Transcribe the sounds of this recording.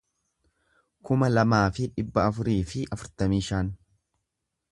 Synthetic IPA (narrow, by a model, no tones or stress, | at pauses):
kʊmɐlɐmaːfɪᶑɪbːɐːfʊɾiːfɪʔɐfʊɾt̪ɐmiːʃaːn